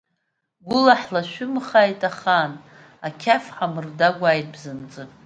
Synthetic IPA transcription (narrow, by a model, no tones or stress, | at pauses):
ɡʷʊlaħlaʃʷᶣʊmχajtʼaχan | akʲʰafħamɨrdaɡʷajt̚ʼbzɨnt͡sʼɨ